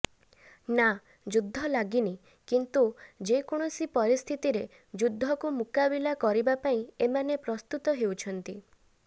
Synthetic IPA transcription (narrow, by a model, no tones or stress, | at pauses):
na | d͡ʒud̪ʱːɔlaɡini | kint̪ud͡ʒekɔɽ̃ɔsipɔɾist̪ʰit̪iɾe | d͡ʒud̪ʱːɔkumukabilakɔɾibapaĩemanepɾɔst̪ut̪ɔɦewt͡ʃʰɔnt̪i